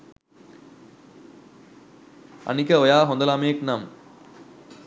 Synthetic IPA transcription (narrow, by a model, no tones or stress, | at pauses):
a̰nikəojaːɦond̪ɐlamejeknam